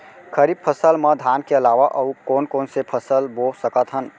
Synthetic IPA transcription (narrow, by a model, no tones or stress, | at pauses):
kʰəɾib̚pʰəsəlməd̪ʱaːnkeəlaʋaʔəukoːnkoːnsepʰəsəlbosəkət̪ɦən